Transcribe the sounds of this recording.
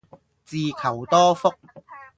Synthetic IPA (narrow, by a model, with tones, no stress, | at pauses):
t͡siː˨˧kʰɐ˨˩wt̪ɔː˥fʊ˥k̚